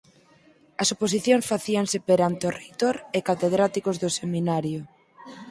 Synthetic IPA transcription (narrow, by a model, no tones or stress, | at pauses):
ɐsopos̬iθjõŋsfaθiaŋsepeɾant̪oret̪oɾekat̪eðɾat̪ikozðʊseminaɾjo